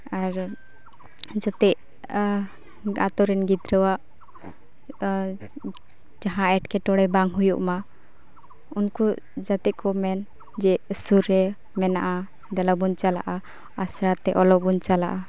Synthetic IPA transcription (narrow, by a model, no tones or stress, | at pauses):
aɾ | d͡ʒat̪ɛʔ | a̰t̪ɔɾɛnɡit̪ɾəwaʔ | d͡ʒaɦãɛʈkɛʈɔɽɛbaŋɦujuʔma | unku | d͡ʒat̪ɛʔkɔmɛn | d͡ʒɛsuɾːɛ | mɛnaʔa | d̪alabuɲt͡ʃala̰ʔa | asɾat̪ːɛʔɔlɔbuɲt͡ʃalaʔa